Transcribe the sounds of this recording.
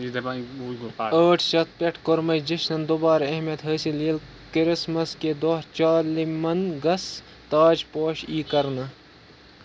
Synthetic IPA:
əːʈʰʃɐt̪̚peʈʰkoɾmɐjd͡ʒiʃnɐnd̪obaːɾɐɦmɐt̪ɦəːsiliːl | kɾɪsmɐsked̪oːɾt͡ʃaːlimɐnɡɐs | t̪aːd͡ʒpoːʃiːkɐɾnɐ

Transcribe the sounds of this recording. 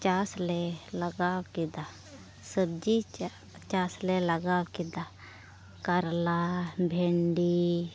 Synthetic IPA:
t͡ʃasleləɡaːwkid̪a | səbd͡ʒi | t͡ʃaːsleləɡaːwkid̪a | kəɾlabʱeɳɖi

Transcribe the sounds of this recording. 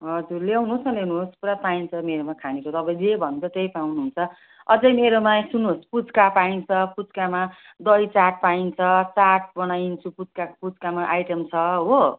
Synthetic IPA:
ɦʌd͡zurlewnuɦsʌlewnuɦospuɾapaint͡sʰʌmeɾomakʰanekot̪ʌbʌ̃zebʱʌnt͡sʰʌt̪ejpawnuɦunt͡sʰʌ | ʌd͡zʌjmeɾomasunospud͡zkapaint͡sʰʌpud͡zkama | d̪ʌjt͡saʈ̚paint͡sʰʌt͡saʈ̚bʌnajint͡sʰupud͡zkapud͡zkamaʔajʈemt͡sʰʌɦo

